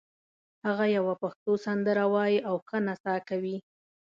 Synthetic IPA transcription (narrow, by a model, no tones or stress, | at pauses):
haɣajawapaxt̪osand̪əɾawɑjiawxənasɑkawi